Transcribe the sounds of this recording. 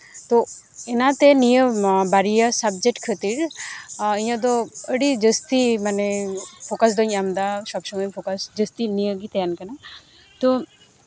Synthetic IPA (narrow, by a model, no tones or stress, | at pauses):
t̪ɔɛnat̪ɛnijəbaɾijasab̚d͡ʒek̚ʈkʰət̪iɾ | iɲad̪ɔəɽid͡ʒəst̪imanɛpʰokasd̪ɔɲamd̪asɔbsɔŋɡɔɲpʰokasd͡ʒəst̪inijəɡit̪ɛjankana | t̪ɔ